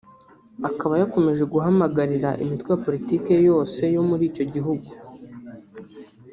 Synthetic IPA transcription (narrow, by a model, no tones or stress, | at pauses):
akaβajako̞me̞ʒe̞ɡuɦamaɡaɾiɾaʔḭmitwejapo̞ɾitiːke̞jo̞ːse̞jo̞muɾiːco̞ɟiɦuɡu